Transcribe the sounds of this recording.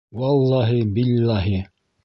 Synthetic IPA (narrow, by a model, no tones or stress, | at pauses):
wɑlˠːɑːɦɪbɪlːaːɦɪ